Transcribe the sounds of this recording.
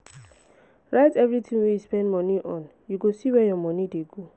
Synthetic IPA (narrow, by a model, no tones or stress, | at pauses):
ɹaɪtɛvɹitʰĩŋwɛjuspɛ̃ndmɔniʔɔ̃n | juɡosiwɛjɔmɔnideɡo